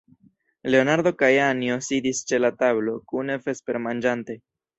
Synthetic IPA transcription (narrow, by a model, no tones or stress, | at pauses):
le̞o̞naɾd̪o̞kajanjo̞sid̪ist͡ʃe̞lat̪aβlo̞kunefe̞spe̞ɾmand͡ʒant̪e̞